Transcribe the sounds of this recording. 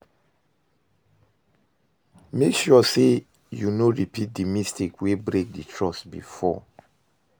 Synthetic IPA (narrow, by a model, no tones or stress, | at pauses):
mekʃɔse | junoɹipʰit̚dimistikwebɹek̚ditʰɹɔsbḭfɔ̰